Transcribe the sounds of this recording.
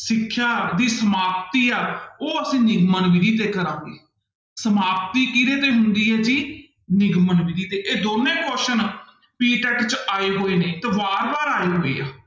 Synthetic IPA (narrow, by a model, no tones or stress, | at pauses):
sɪkʰːjaːd̪iːsəmaːp̚t̪iːaːoːəsĩːnɪɡmənʋɪd̪iːt̪eːkəɾãːiː | səmaːp̚t̪iːkiɾeːt̪eːɦʊnd̪iːɦɛːd͡ʒiː | nɪɡmənʋid̪iːt̪eːʔeːd̪oːnẽːkɔːʃən | piːʈɛːʈt͡ʃaːeːɦoːeːneːt̪eːʋaːɾbaːɾaːeːɦoːḛːaː